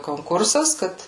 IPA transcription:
koːŋˈkʊrsɐs ˈkɐt

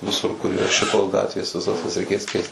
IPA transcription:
ʋʲɪˈsʊr kʊr iːˈrɐ ˈʃʲɪtoːs ˈɡɑːtʲʋʲeːs ʋʲɪˈsɐs jɛs rʲɛɪˈkʲeːs ˈkʲɛɪst

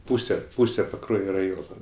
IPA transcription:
ˈpuːsʲɛ ˈpuːsʲɛ pɐˈkruɔjoː rɐˈjoːnoː

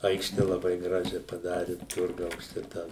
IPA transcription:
ˈɐɪkʃʲtʲɛ lˠɐˈbɐɪ ˈɡrɑːʒʲɛ pɐˈdɑːrʲɪ ˈtʊrɡɐʊs ˈt͡ʃʲɛ tɑː

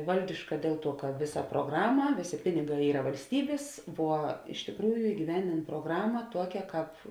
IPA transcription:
ˈʋɐlʲdʲɪʃkɐ ˈdʲeːlˠ ˌtuɔ kɐ ˈʋʲɪˌsɐ pruɔˈɡrɑːmɐ ˈʋʲeːˌsʲeː ˈpʲɪnʲɪˌɡɑː ˈiːrɐ ʋɐlʲsʲˈtʲiːbʲeːs ʋuɔ ɪʃ tʲɪkˈruːjʊ ɪɡʲiːˈʋʲɛnʲdʲeːn proːˈɡrɑːmɐ ˈtuɔkʲɛ ˈkɑːp

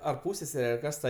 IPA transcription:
ɐr ˈpuːsʲsʲɛsʲɛrʲɛ ɐr ˈkɐs tɐ

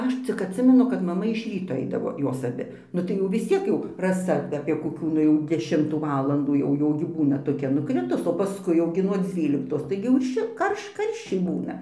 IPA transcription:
ˈɐʃ t͡sʲɪk ɐtʲˈsʲɪmʲɛnʊ kɐt mɐˈmɐ ɪʃ ˈrʲiːtoː ˈɐɪdɐʋoː ˈjoːs ɐˈbʲɪ ˈnʊ tɐɪ jɛʊ ʋʲɪs ˈt͡sʲiɛk jɛʊ rɐˈsɐ ɐpʲiɛ koːˈkʲuː ˈnʊ jɛʊ dʲɛˈʃʲɪmtuː ˈʋɑːlˠɐnduː jɛʊ ˈjɛʊ ɡʲɪ ˈbuːnɐ toːˈkʲɛ nʊˈkrʲɪtʊs oː pɐˈskʊɪ jɛʊ ˈɡʲɪ nuɔ ˈd͡zʲʋʲiːlʲɪktoːs ˈtɐɪɡʲɪ jɛʊ ˈʃʲɪlˠ ˈkɐrʃ ˈkɐrʲʃʲt͡ʃʲɛɪ ˈbuːnɐ

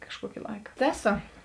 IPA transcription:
kɐʃˈkuɔkʲɪ ˈlˠɐɪkɐ ˈtʲæːˌsoː

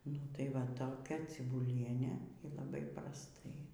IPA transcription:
ˈnʊ tɐɪ ˈʋɐ toːˈkʲɛ t͡sʲɪbʊˈlʲiɛnʲeː iː lˠɐˈbɐɪ prɐsˈtɐɪ

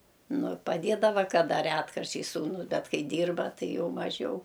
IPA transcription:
ˈnʊ pɐˈdʲeːdɐʋɐ kɐˈdɐ ˈrʲæːtkɐrʲt͡ʃʲɛɪs suːˈnʊs ˈbʲɛt ˈkɐɪ ˈdʲiːrbɐ ˈtɐɪ ˈjɛʊ mɐˈʒʲɛʊ

